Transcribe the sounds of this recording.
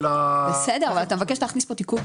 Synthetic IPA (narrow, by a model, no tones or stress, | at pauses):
obesedeʁavalat̪amevakeʃtaχnispo̞tiku